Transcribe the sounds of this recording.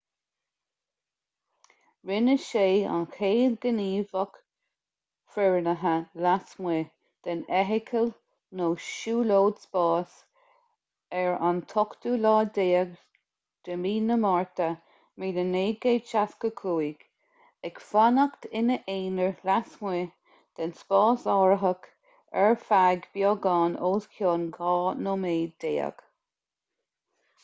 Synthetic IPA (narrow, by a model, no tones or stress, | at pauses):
ɹɪnəʃeːa̰nxʰeːd̪ɡəniːvək | fɛɹnəɦəlasmeː | d̪̥ɛnɛɦɪkʰəl | noːʃuːloːd̪spɑːs | ɛɹant̪ʰɔkt̪ulɑːd̪eːəɡ | d̪̥əmiːnəmɑɹt̪ə | miːdəneːɡeːʃaskəkʰuːiɡ̥ | ɛkfanəkt̪ʰɪnəʔeːnəɹɾasmwe | d̪̥ɛnspɑːsɔːɹəɦək | ɛɹfaɡbjɔːɡɑːnoːskʰjoːnɡɑːnoːmeːd̪̥eːə̰ɡ̥